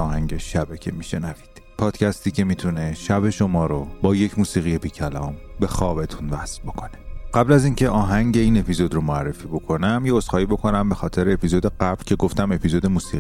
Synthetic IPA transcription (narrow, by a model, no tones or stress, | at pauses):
ɒːhæŋɟeʃæbæcʲʰe̞miːʃe̞nævi̥d̪̥pʰɒːd̪̥cʰæst̪iːcʰe̞miːt̪ʰune̞ʃæbe̞ʃo̞mɒːɾobɒːje̞cʰmuːsiːɣije̞biːcʰælɒːmbe̞xɒːbe̞t̪ʰunvæsbo̞kʰo̞ne̥ɢæblæziːncʰe̞ʔɒːɦæŋɟeiːne̞pʰizo̞d̪romoærːe̞fiːbo̞kʰo̞næmjeozxɒːiːbo̞kʰo̞næmbe̞xɒːt̪ʰeɾeepʰizod̪e̞ɢæblcʲʰe̞ɡo̞ft̪æme̞pʰizod̪emuːsiːi